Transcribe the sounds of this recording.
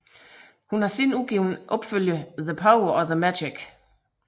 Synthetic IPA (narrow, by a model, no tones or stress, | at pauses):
hunhɑ̈sinuɡ̥iʊnʔɒ̽b̥føljəðəpʰaʊɐʔɒðəmæd̥eɡ̥